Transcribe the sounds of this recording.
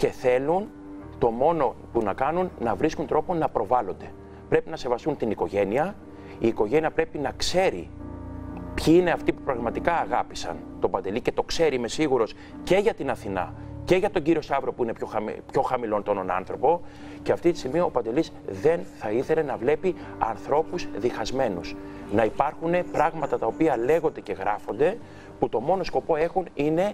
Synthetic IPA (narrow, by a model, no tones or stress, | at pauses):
ce̞θe̞lun | t̪o̞mo̞no̞punɐkɐnunːɐvɾiskunt̪ɾo̞po̞nɐpɾo̞vɐlo̞nd̪e̞ | pɾe̞pinɐse̞vɐst̪unt̪iniko̞ʝe̞niɐ | iːko̞ʝe̞niɐpɾe̞pinɐkse̞ɾḭ | pçiine̞ɐft̪ipupɾɐɣmɐt̪ikɐːɣɐpisɐ̰nt̪o̞bɐnd̪e̞lice̞t̪o̞kse̞ɾime̞siɣuɾo̞s | ce̞ʝɐt̪inɐθinɐ̰ce̞ʝɐt̪o̞ɲɟiɾio̞sɐvɾo̞puine̞pçoxɐmpço̞xɐmilo̞nt̪ononɐ̰nθɾo̞po̞ | ce̞ɐft̪it̪i̥simiɐopɐnd̪e̞lizðe̞nθɐiθe̞le̞nɐvle̞pi | ɐ̰nθɾo̞puzðixɐzme̞nus | nɐipɐɾxune̞pɾɐɣmɐt̪ɐt̪ɐopiɐle̞ɣo̞nd̪e̞ce̞ɣɾɐfo̞nd̪e̞ | put̪o̞mo̞no̞sko̞po̞e̞xunine̞